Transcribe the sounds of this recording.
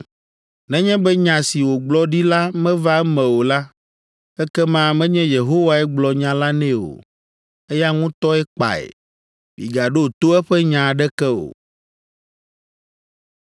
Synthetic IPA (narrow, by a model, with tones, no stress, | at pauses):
nɛ̃˦ɲɛ̃˦bɛ˦ɲã˨si˨wo˨ɡ͡blɔ˦ɖi˦la˦mɛ̃˦va˦ɛ˦mɛ̃˨wo˨la˦ | ɛ˦kɛ˦mã˦mɛ̃˦ɲɛ̃˦je˨ɦo˦wa˨ɛ˦ɡ͡blɔ˨ɲã˨la˦nɛ̃˦o̰˨ | ɛ˦ja˦ŋũ˦t̪ɔ˦ɛ˦k͡pa̰˨ḛ˨ | bḭ˨ɡa˨ɖo˦˨t̪o˦ɛ˦ɸɛ˦ɲã˨ɖɛ˦kɛ˦o̰˨